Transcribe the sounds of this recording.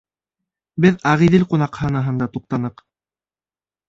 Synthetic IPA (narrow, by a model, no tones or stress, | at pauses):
bɘðɑʁiðilqunɑqhɑnɤɦɤnd̪ɑt̪uq̚t̪ɑnɤq